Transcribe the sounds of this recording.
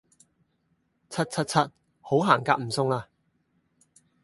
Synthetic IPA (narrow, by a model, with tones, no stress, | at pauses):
t͡sʰɐ˥t̚t͡sʰɐ˥t̚t͡sʰɐ˥t̚ | ho˨˥wɦaː˨˩ŋkaː˧k̚m̩˨˩sʊ˧ŋlaː˧